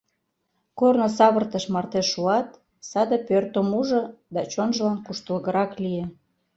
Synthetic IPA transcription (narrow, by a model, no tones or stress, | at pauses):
kornosɑβərt̪əʃmɑrt̪eʃːuɑt̪ | sɑd̪əpørt̪omuʒɤ̆d̪ɑt͡ɕonʒəlɑnkuʃt̪əlɣəɾɑklije